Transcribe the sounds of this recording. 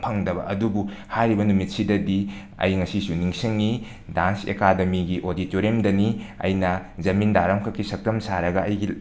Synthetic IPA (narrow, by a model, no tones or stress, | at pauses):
pʰɐŋdɐbɐ̰ʔɐdubu | haɾibɐnumit̚sidɐdi | ɐ̰jŋɐsisuniŋsiŋːi | dansḛkademiɡiʔoditoɾemdɐniɐ̰jnɐzɐmindaɾɐmkʰɐkʰːisɐk̚tɐmsaɾɐɡɐɐjɡi